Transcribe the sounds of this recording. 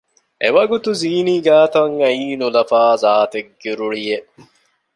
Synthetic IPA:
eʋɐɡut̪uziːniːɡaːt̪ɐŋɐiːnulɐfaːzaːt̪eɡːiɾuɭijeʔ

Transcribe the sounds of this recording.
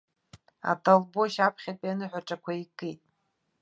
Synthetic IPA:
a̰tʰalboʃapʰχʲatʼanɨħʷᶣaʈ͡ʂʼakʷaikʼejtʼ

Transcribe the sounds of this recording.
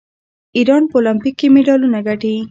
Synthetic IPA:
iɾɑnpəolampikːemeɖɑlunaɡaʈi

